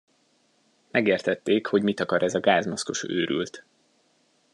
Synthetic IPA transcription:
mɛɡeːrt̪ɛt̪ːeːkho̞ɟmit̪ɒkɒɾʔɛzɒɡaːzmɒsko̞̰ʃø̰ːɾy̰lt̪

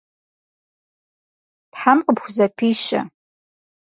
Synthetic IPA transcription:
tħamqʼəbxʷzapʰiːʃa̰

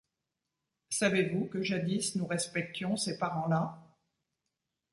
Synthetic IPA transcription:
savevukəʒad̪isnuʁɛspɛk̚t̪jɔ̃sepaʁɑ̃la

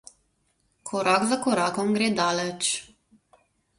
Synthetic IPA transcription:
kʰɔɾaɡzakɔɾaːkɔmɡɾeːd̪aːlɛt͡ʃ

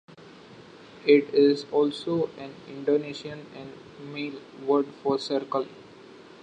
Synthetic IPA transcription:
ɪʈɪzɔːlsoːʔɛ̃nɪ̰̃ɳɖoːneʃiə̃nɛ̃ɳɖ | meːl | ʋəɾɖfɔːɾsəɾkəl

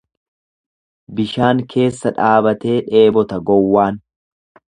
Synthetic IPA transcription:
bɪʃaːŋkʰe̞ːsːɐᶑaːbɐt̪e̞ːᶑe̞ːbɔt̪ɐɡɔwːaːn

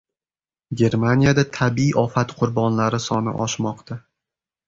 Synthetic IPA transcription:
ɡʲe̞ɾmanʲijad̪at̪ʰabiiʔɒfat̪qʰʊɾbɒnlaɾɪsɒnɪ̰ʔɒʃmɒqt̪ʰa

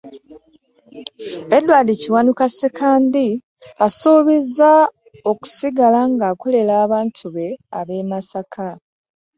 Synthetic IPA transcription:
edwaːdeciwanukasekaːndi | asoːβeza | o̞ku̥siɡalaŋɡaːkole̞laːβaːntʰuβe̞aβe̞ːmasakʰa

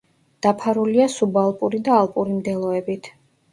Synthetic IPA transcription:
d̪̥apʰaɾuliasubalˠpʼuɾid̪aːlˠpʼuɾimd̪ɛlˠɔɛbit̪ʰ

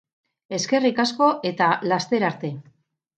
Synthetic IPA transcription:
e̞ske̞rikasko̞ʔe̞t̪alast̪e̞ɾaɾt̪e̞

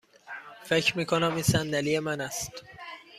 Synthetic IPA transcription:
fe̞cʰɾmiːkʰonæmiːnsænd̪ælije̞mænæst̪

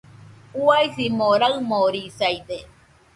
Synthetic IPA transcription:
uajsimoɾaɯmoɾisajd̪e

